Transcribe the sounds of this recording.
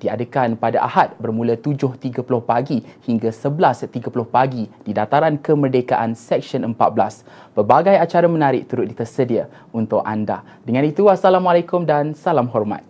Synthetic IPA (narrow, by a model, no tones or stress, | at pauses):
d̥ia̰dəkanpadaʔa̰hat̪̚bərmũlət̪ud͡ʒʊht̪iɡəpulʊhpaɡihiŋɡasəbəlast̪iɡəpulʊhpaɡid̥idat̪aɾankəmərdekaʔansɛk̚sənəmpa̰t̪̚bəlas | b̥ərbaɡajat͡ʃaɾamə̃naɾɪk̚t̪uɾʊt̪̚dit̪ərsədiə | unt̪ʊka̰nda̰ | dəŋãnit̪uasalamalekʊmdansalamɦɔrma̰t̪̚